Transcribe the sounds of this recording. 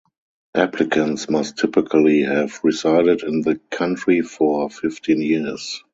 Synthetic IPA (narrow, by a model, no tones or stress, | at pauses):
ʔæpʰlɪkʰə̃ntsmastʰɪpɪkʰəlihɛvɹizaɪdɪdɪ̃nðəkʰãntɹifɔfɪftʰĩːnjɪs